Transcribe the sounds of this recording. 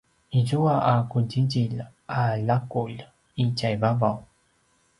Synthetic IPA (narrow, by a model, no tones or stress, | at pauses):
izuaʔakuɟiɟilalakul | icajvavaw